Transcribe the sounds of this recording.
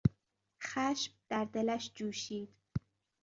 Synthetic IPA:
xaʃp̚d̪̥æɾd̪elaʃd͡ʒuːʃiːd̪

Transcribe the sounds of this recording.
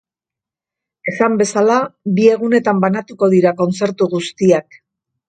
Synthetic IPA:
e̞sambe̞salabie̞ɣ̞une̞t̪ambanat̪uko̞ð̞iɾako̞nt͡se̞ɾt̪uɣust̪iak

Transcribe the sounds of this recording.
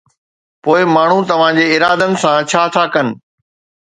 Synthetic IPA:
poːɪmaːɳ̤ũt̪ɐʋ̤ãd͡ʑeːɪɾaːd̪ənɪ̆sãt͡ɕʰaːt̪ʰaːkɐnɪ̆

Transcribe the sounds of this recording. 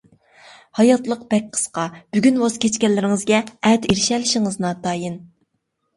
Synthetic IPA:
hɑjɑt̪lˠəq̚b̥ɛk̚ʲqʰə̥sqɑb̥yɡʲynwɑz̥kʲʰet͡ʃkʲɛnlːɪɾɪŋɨzɡʲɛɛt̪iɾɪʃɛlɪʃɪŋɨznɑd̪ɑːjɨn

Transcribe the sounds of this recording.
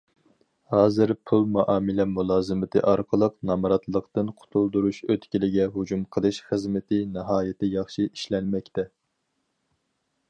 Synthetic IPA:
hɑːzɨɾpʰulˠmɑʔɑːmɨlɛmulˠɑːzɨmɨt̪ʰɨ̰ʔɑɾqʰəlˠəqnɑmɾɑt̪lˠəqt̪ɨnqʰʊ̥t̪ʰulˠd̪uɾuʃøt̪kʲilɪɡʲɛɦud͡ʒumqʰəlˠɨʃχəzmɪt̪ʰɪnɨɦɑːjɪt̪ɪjɑχʃii̥ʃlɛnmɛkʲt̪ʰɛ

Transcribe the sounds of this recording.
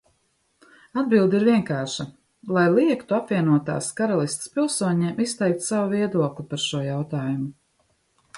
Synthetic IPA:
ad̪̚bilˠd̪iɾviɛŋkaːʃa | lˠajlˠiɛkt̪uapviɛnuɔt̪a̰ːskaɾalˠist̪spilˠsuɔɲeːmʔist̪ɛjk̚t̪sawuviɛd̪uɔklipaɾʃuɔjawt̪aːjumu

